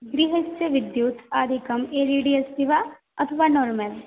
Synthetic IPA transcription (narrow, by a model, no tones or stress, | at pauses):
ɡɾiɦət͡ʃːəʋɪd̪juːt̪aːd̪ʱikəmeːɾiɖiɐst̪iʋa | ɐt̪ʰɐʋaːnɔːɾməl